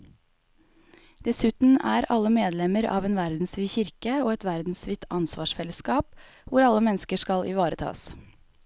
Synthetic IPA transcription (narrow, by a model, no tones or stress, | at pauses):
d̪̥ɛsʉːt̪n̩æːɾɑləmeːd̪lɛməɾɑ̰ːʋeːnʋæɾd̪n̩sʋiːçɪɾkəoːɛt̪ʋæɾd̪n̩sʋɪt̪ʰɑnsʋɑːʃfɛləskɑːp | ʋʊɾɑləmɛnskəʃkɑlʔɪ̰ʋɑːɾət̪ʰɑ̰ːs